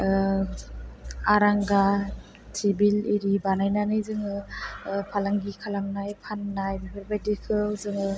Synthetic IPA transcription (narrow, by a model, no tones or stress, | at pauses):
aɾaŋɡa | tʰibiliɾibanajnanɯjzɯŋɯ | pʰalaŋɡikʰalamnajpʰanːajbipʰaɾbajdikʰɯzɯŋɯ